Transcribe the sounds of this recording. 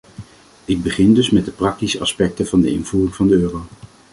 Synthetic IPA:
ɪɡ̚bəχɪndɵsmɛt̚dəprɑk̚tisəʔɑ̰spɛk̚təv̥ɑndəɪ̰nv̥uːrɪŋvɑndəøːrow

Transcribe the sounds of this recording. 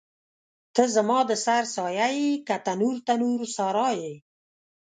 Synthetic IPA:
t̪əzəmɑd̪əsaɾsɑjajikat̪anuɾt̪anuɾsɑɾɑje

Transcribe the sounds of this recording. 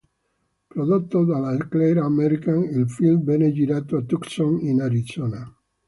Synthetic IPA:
pɾoðot̪ːod̪alakleɾaːmeɾikanilfilbened͡ʒiɾat̪oat̪uksoŋinaɾisona

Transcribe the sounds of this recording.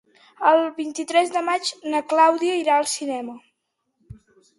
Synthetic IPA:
əlˠβint̪it̪ɾɛzðəmad͡ʒnəklawðiəiɾaəlˠsinɛmə

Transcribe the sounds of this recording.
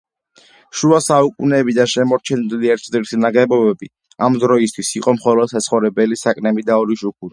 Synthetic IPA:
ʃuasaukʼunɛːbid̪aʃɛmɔɾt͡ʃʰɛniliɛɾt̪ʰd̪iɾsʰinaɡɛbɔbɛbi | amd̪ɾɔist̪ʰwisiqʼɔmχɔlɔd̪̥sat̪sʰχɔvɾɛbɛlisakʼnɛmid̪aɔɾiʃukʰuɾi

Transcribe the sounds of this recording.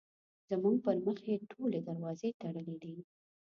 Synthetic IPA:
z̥əmuŋɡ̚pəɾməxeʈʰoled̪aɾwɑzet̪aɽəlid̪i

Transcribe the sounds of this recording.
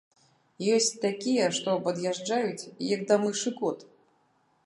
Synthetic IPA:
jɔsʲt͡sʲt̪akʲijɛʂt̪ɔpɐd̪jaʐd͡ʐajut͡sʲjɐkd̪amɨʂɨkɔt̪

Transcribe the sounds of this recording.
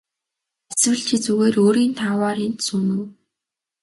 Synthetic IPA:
eswɘ̆ɮt͡ɕʰĭt͡suɣeːɾoːɾiːnt̪ʰaːwaːɾiːnt̪suːnŭw

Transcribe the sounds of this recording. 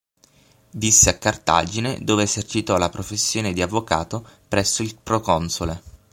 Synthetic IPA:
d̪isːeakːart̪a̰d͡ʒined̪oːveːzert͡ʃit̪ɔlapɾofesːjoːned̪iavːoka̰ːt̪opɾɛsːoilpɾokɔnsole

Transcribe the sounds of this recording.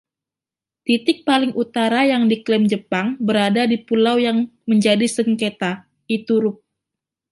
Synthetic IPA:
t̪it̪ɪk̚palɪŋʔut̪aɾajaŋdiklɛmd͡ʒəpaŋbəɾadadipulawjaŋməɲd͡ʒadisəŋket̪a | it̪uɾʊp̚

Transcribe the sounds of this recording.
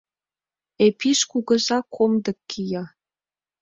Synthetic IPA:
epiʃkuɣə̆ʒɑkʰomd̪ɤ̆kːijɑ

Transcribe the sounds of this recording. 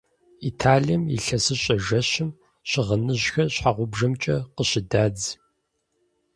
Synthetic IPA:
itʰaːɮijɛmḭɬɐsɨɕʼɐʒɐɕɪm | ɕɪʁɐnɨʑxɐɕħaʁʷʊbʒɐmt͡ʃʼɐqəɕɪdaːd͡z

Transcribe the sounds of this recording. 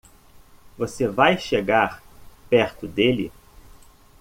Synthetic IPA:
vosevajʃeɡaɾpɛɾt̪ʊd̪elɪ̰

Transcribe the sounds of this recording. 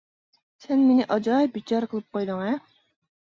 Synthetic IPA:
sɛnmenɪʔɑd͡ʒɑjbit͡ʃɑɾqʰəlˠɨp̚qojd̪ɨŋɛ

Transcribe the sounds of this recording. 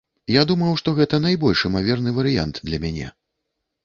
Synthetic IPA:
jad̪umɐwʂt̪ɔɣɛt̪ɐn̪ajbɔlʲʂɨmavʲɛrnɨvɐɾɨja̰nt̪d̪lʲɐmʲanʲɛ̰

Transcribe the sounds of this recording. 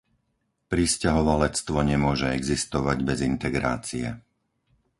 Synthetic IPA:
pɾiscaɦɔʋalɛt͡st̪ʋɔɲɛmʊɔʒɛɛɡzist̪ɔʋaɟbɛzint̪ɛɡɾa̰ːt͡siɛ

